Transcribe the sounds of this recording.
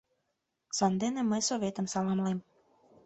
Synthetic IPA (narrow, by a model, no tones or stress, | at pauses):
sɑnd̪eneməjsovʲet̪əmsɑlˠɑmlˠem